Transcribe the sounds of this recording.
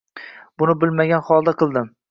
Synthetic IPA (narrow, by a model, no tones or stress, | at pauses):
bʊnɪbɪlmaɡʲanχɒlˠd̪aqʰɨlˠd̪ɪm